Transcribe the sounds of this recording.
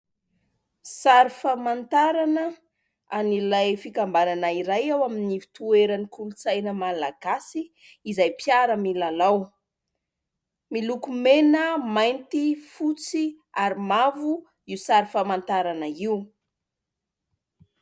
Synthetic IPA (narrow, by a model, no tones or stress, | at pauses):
saɾifamant̪aɾanə | anilajfikambananaiɾajawaminivi̥t̪ueɾənikulut͡sajnəmalaɡ̥asiː | zajpjaɾəmilalaw | milukumenəmajnt̪ifut͡si | aɾimavu | iusaɾifamant̪aɾanəiu